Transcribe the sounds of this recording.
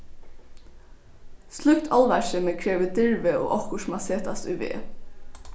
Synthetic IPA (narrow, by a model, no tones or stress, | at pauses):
slʏkt̪ʰɑlʋæʃəməkʰɾeːʋəd̪ɪɹʋəo̰ːʔɔhkʊʃmaseːt̪ast̪ʏ̰ʋḛː